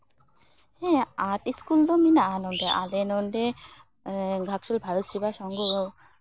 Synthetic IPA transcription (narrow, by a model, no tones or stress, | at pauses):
hẽaʈiskuld̪ominaanoɳɖeʔa̰lenoɳɖe | ɡɾakʃulbʱaɾot̪ʃibaʃɔŋɡo